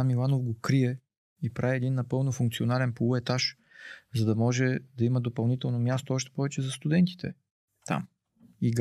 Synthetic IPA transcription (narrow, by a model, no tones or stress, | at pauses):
amilˠanofɡokɾiɛ | ipɾaviɛd̪inːɐpɤlˠnofuŋk̚t̪sionalɛnpolˠuɛt̪aʃ | zɐd̪ɐmɔʒɛd̪ɐiməd̪opɐlˠnit̪ɛlˠnomjast̪oɔʃt̪ɛ̥pɔvɛt͡ʃɛzɐst̪ud̪ɛnt̪i̥t̪ʰɛ̰ | t̪a̰m | iɡ